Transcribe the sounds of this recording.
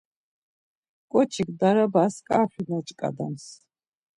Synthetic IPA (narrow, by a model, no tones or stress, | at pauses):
kʼɔt͡ʃʰikd̪aɾabaːskʼaːχinat͡ʃʼkʼa̰d̪a̰ms